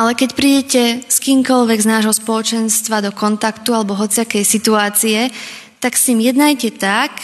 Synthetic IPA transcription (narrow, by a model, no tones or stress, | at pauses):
ʔalɛkɛcpɾiːɟɛcɛskiːmkɔlʋɛɡznaːʒɦɔspɔlɔt͡ʃɛnst̪ʋad̪ɔkɔnt̪akt̪ualɛbɔɦɔt͡siakɛjsit̪uaːt͡siɛ | t̪aksimjɛd̪najcɛt̪ak